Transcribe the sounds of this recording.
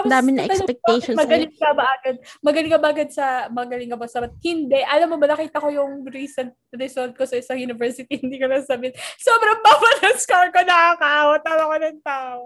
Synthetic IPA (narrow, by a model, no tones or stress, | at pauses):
d̪aːmɪnɐʔɛɐnpɛk̚tɛʃmɐɡɐlɪŋkɐbɐʔɐɡɐd̪̚mɐɡɐlɪŋkɐbɐʔɐɡɐd̪̚sɐmɐɐɡɐlɪŋkɐbosɐbɐt̪̚hɪnd̪ɛʔɐlɐmːobɐnɐkiːt̪ɐko̞jʊŋɾiːsɐnt̪̚ɾɪsolt̪̚kosɐʔɪsɐŋjunɪvɛɹsɪt̪iɪnd̪iːkonɐsɐbɪɪnsoːbɾɐŋbawɐlɐskaɹkonɐɐkawɐt̪aːmɐkonɐŋt̪aːʔoo